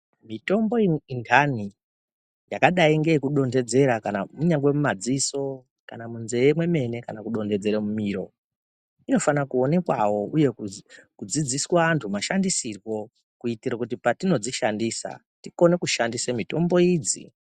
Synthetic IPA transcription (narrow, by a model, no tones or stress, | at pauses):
mito̞mbo̞intʰani | jakaɗaiŋɡe̞ikuɗo̞nde̞d͡ze̞ɾakanamuɲaŋɡwe̞mumad͡ziso̞ | kanamunzejemwe̞me̞ne̞kanakuɗo̞nde̞d͡ze̞ɾemumiːɾo̞̰ | ino̞fanakuo̞ne̞kwawo̞uje̞kukud͡zid͡ziswaantʰumaʃandisirwo̞ | kuitirakut̬ipatino̞d͡ziʃandiːsa̰ | tiko̞ne̞kuʃandisemito̞mbo̞iːd͡zḭ